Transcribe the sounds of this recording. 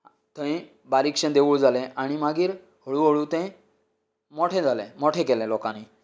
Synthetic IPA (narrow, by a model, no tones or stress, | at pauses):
t̪ə̃ĩ | baɾikɕə̃d̪eʋuɭd͡zalɛ̃ʔaɽ̃imaɡiːɾ | hoɭuɦoɭũt̪ə̃ | mɔʈʰẽd͡zalɛ̃mɔʈʰẽkɛlɛ̃lɔkãniː